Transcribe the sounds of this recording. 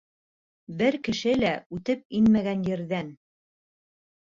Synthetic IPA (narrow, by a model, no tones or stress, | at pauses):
bɘɾkɘ̆ʃɘlæʉt̪ɘp̚inmæɡænjɘ̆ɾðæn